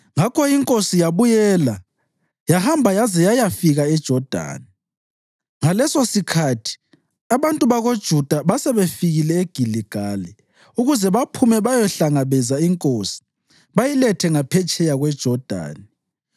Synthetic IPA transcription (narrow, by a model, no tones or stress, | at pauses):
ŋakʰɔiŋkʼosijaβujɛːla | jahambʱajazɛjajafiɣaɛd̥ʒ̥ʱɔd̥ʱa̰ːni | ŋalɛsosikʰatʰi̥ | aβantʼuβaɣod̥ʒ̥ʱud̥ʱaβasɛβefiɣilɛeɡ̥ʱiliɡ̥ʱalɛ | uɣuzɛβapʰumɛβajɔɬaŋaβɛzaiŋkʼoːsi̥ | βajilɛtʰɛŋapʰɛt͡ʃʼɛjaɣwɛd̥ʒ̥ʱɔd̥ʱa̰ːni